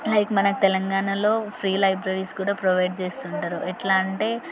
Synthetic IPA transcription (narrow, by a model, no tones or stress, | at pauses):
lɐjkmɐnɐku̥t̪ɛlɐŋɡaːnalo̞ːpʰɾiːlɐjbɾɐɾiskuːɽaːpɾoʋɐjɖ̚t͡ʃeːst̪uɳʈaːɾuʔɛʈlaːɳʈeː